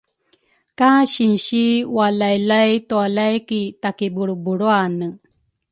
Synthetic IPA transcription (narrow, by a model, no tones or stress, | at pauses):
kaɕinɕiwalajlajt̪ualajkitakibuɽubuɽoanə